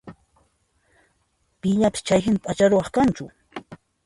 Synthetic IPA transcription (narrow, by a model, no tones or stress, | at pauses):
pɪʎapɪ̥st͡ʃajɦɪnt̪at͡ʃaɾʊwɑχkant͡ʃʊ